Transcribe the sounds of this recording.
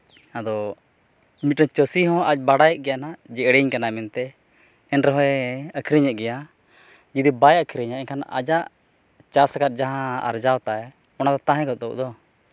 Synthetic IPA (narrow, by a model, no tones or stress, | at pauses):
ad̪ɔ | mit̪̚nɔt͡ʃəsiɦɔ̃ʔac̚ˀbaɽajɛʔ̚ɡɛjanad͡ʒɛʔɽɛɲkanamɛnt̪ɛ | ɛnɾɛɦɔɛəkʰiɾiɲɛʔ̚ˀɡɛja | d͡ʒid̪ibajəkʰiɾiɲaʔɛɲkʰanʔa̰d͡ʒaʔ | t͡ʃasakat̪̚ˀd͡ʒaɦãa̰ɾd͡ʒawt̪aɛ | ɔnad̪ɔt̪ãɦɛ̃ɡɔt̪̚d̪ɔʔd̪ɔ